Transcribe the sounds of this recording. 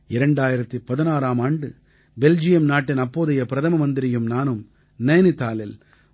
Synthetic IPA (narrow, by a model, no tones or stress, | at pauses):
ɪɾɐɳɖaːjɪɾɐt̪ːipɐðɪnaːɾaːmaːɳɖɯ | bɛld͡ʒɪjɐmnaːʈːɪnɐpːoːðɐjɐpɪɾɐðɐmɐmɐnd̪ɪɾɪjɯmnaːnɯm | nɐjnɯt̪aːlɪl